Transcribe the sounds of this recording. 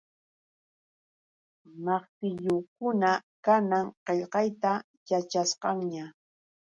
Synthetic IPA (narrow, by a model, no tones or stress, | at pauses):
mɑχt̪ɪʎokʊnakanaŋqeʎqɑjt̪a | jat͡ʃasqɑŋɲa